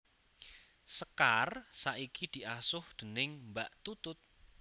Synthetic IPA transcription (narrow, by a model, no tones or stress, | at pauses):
səkarsaʔikid̪̥i̤ʔasʊhd̪̥ə̤nɪŋmbaʔt̪ut̪ʊt̪̚